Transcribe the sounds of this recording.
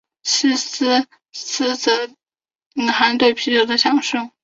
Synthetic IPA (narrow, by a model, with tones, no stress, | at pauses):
ɕ̩˥s̩˥ | s̩˥t͡sɤ˧˥ | i˨˩ŋxa˧˥nt̪we˥˩ɪpʰi˧˥ʈ͡ʂo˨˩ʊd̪ə˦ɕjɑ˨˩ŋʂɤ˥˩ŋ